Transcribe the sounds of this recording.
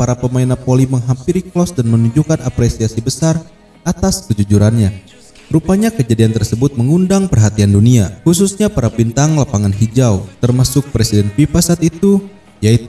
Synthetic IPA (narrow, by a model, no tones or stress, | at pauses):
paɾapəmainapoliməŋɦampiɾiklɔsdanmənuɲd͡ʒukanapɾesiasibəsar | ʔat̪askəd͡ʒud͡ʒuɾanɲa | ɾupaɲakəd͡ʒadiant̪ərsəbʊt̪̚məŋundaŋpərɦat̪ianduniahus̬usɲapaɾabint̪aŋlapaŋanɦid͡ʒawt̪ərmasʊk̚pɾesidɛnfifasaːt̪it̪u | jait̪u̥